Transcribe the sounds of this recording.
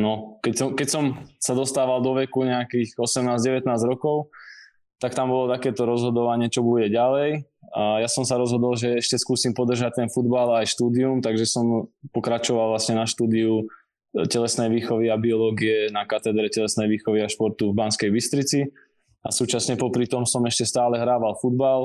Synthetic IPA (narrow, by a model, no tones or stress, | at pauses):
nɔkɛcsɔmkɛcsɔmsad̪ɔst̪aːʋald̪ɔʋɛkuɲɛakiːxɔsɛmnaːzɟɛʋɛt̪naːzɾɔkɔʊ | t̪akt̪ambɔlɔt̪akɛːt̪ɔɾɔzɦɔd̪ɔʋaɲɪɛt͡ʃɔbuɟɛɟalɛjjasɔmsaɾɔzɦɔd̪ɔlʒɛɛʃcɛskuːsiːmpɔd̪r̩ʒac̚t̪ɛnfud̪balajʃt̪uːd̪iumt̪aɡʒɛsɔmpɔkɾat͡ʃɔʋalˠʋlasɲɛnaʃt̪uːd̪iu | cɛlɛsnɛjʋiːxɔʋiabiɔlɔːɡiɛnakat̪ɛd̪ɾɛcɛlɛsnɛjʋiːxɔʋiaʃpɔɾt̪uvbanskɛjbist̪ɾit͡si | a̰suːt͡ʃasɲɛpɔpɾit̪ɔmsɔmɛʃcɛst̪aːlɛɦɾaːʋalfud̪̚bal